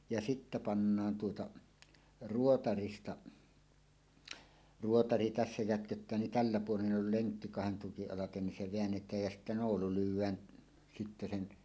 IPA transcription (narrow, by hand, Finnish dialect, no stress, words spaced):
jɑ sitːæ pɑnːɑːn tuotɑ ruotɑristɑ ruotɑri tæsːæ jætkøtːæː nin tælːæ puolen ʔol leŋkːi kɑhen tukiʔ ʔɑlɑten nin se ʋeænːetˑæːj jæ sitːæ noːlu lywˑæːn sitːe sen